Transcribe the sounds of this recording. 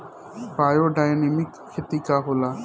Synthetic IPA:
paːjoːɖaːjneːmɪkʰːɪt̪iːkaːɦoːlaː

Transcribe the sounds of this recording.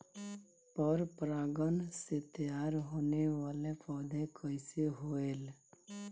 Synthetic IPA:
pəɾpɾaːɡənset̪əjaːɾɦoːneʋaːlepɔːd̪ʱẽkʰəɪseɦoːeːl

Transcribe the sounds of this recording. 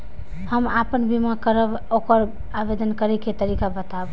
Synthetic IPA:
həmapənbimakəɾəb | okəɾ | abed̪ənkəɾɛket̪əɾikabət̪ab

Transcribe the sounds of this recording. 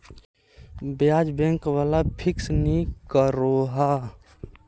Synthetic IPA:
bjaːd͡ʒbẽŋkwaːlapʰɪksnikəɾoɦa

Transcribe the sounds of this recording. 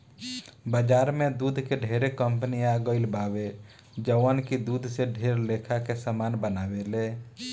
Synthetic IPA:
bəd͡ʒaːɾmẽd̪uːd̪ʱkeɖʱeːɾekəmpəniaɡəɪlbaːwe | d͡ʒəʋənkid̪uːd̪ʱseɖʱeːɾlekʰakesəmaːnbənaːʋeleː

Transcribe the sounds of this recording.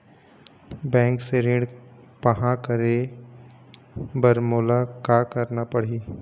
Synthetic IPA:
bɛ̃ːŋkseɾɪ̃ɽ | pɐɦãkəɾe | bəɾmoːlakaːkəɾnapɐɽ̤iː

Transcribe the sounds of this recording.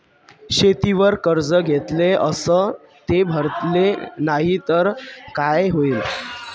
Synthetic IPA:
ɕet̪iʋəɾkəɾd͡zəɡʱet̪leəsəː | t̪ebʱəɾt̪lenaɦit̪əɾkajɦoiːl

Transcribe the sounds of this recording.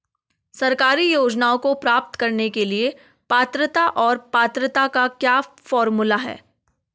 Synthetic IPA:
sɐɾkaːɾijoːd͡ʒnaːõkopɾaːp̚t̪kɐɾnekelie | paːt̪ɾət̪aʔɔːɾpaːt̪ɾət̪akakjaːfɔːɾmulaɦɛ̰ː

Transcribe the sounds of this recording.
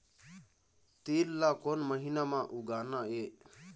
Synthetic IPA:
t̪iːllːakonməɦinamãʔuɡaːnae

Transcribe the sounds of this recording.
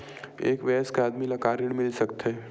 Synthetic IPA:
eːkʋɛːskeaːd̪milɐkaːɾɪɽ̃mɪlsɐkt̪eː

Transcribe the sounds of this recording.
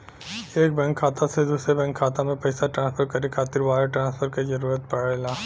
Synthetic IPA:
eːk̚bɛ̃ːŋkʰːaːt̪ased̪uːsɾebɛ̃ŋkʰːaːt̪amẽpɐːɪsaʈɾãːnspʰəɾkɐɾikʰaːt̪ɪɾbaːɾeʈɾãːspʰəɾkezɐɾuːɾət̪̚pɐɽelaː

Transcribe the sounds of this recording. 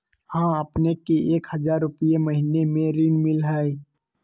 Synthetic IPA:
hãːɐpnekeʔeːkhɐzaːɾːʊpijemɐɦinemẽɾinmɪlɦɛɛ

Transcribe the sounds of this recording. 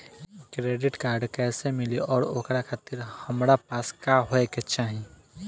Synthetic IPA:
kɾeːɖɪʈkaːɾɖkɛːsemɪliɔːɾoːkɾakʰaːt̪iɾhəmɾapaːskaɦoeket͡ʃaːɦĩ

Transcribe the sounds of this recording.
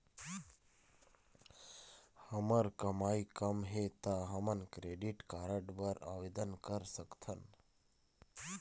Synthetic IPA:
həməɾkəmaikəmɦet̪aɦəmənkɾeɖiʈkaɾəɖʋəɾaʋed̪ənkəɾsəkt̪ʰən

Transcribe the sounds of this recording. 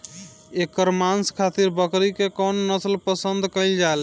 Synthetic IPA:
ekəɾmanskʰat̪iɾbəkɾikekɔnːəslpəsənd̪ʱkəɪld͡ʒael

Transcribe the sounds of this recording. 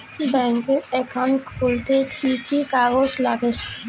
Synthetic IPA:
bɛŋkeɛkʰːankult̪ekikʰikaɡoslaɡeɾ

